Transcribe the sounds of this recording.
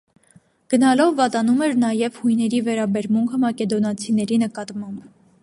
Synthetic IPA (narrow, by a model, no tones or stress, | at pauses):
ɡ̥ənɑlɔvːɑt̪ɑnumɛɾnɑjɛvhujnɛɾivɛɾɑbɛɾmuŋkʰəmɑkɛd̪ɔnɑt͡sʰinɛɾinəkɑt̪mɑmb